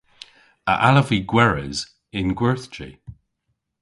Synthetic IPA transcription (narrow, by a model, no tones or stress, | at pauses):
ə̰ʔaləviɡwɛɹɪ̰z | ɪnɡwɛɹθd͡ʒḭ